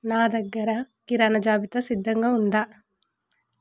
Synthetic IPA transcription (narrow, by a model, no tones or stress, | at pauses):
naːd̪ɐɡːɐɾɐ | kiɾaːnɐd͡ʒaːbit̪ɐsid̪ːɐŋɡɐund̪ɐ